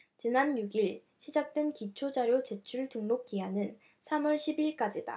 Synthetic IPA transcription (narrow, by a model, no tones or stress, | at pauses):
t͡ɕinanjuɡiɭ | ɕʰid͡ʑak̚t͈we̞nkit͡ɕʰod͡ʑaɾjot͡ɕet͡ɕʰuɭtɯŋnok̚k͈iɦanɯn | sʰamʌɭɕʰibiɭk͈ad͡ʑida̰